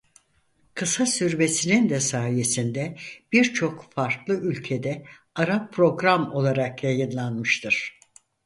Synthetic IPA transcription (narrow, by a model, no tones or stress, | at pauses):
kʰɯsasyɾbe̞sinind̪ɛsaːje̞sind̪ɛb̥iɾt͡ʃʰo̞kfaɾklˠɯylʲcʰe̞d̪ɛ | aɾapːʰɾo̞ɡɾamo̞lˠaɾakjajɯnlˠanmɯʃt̪ʰɯɾ̥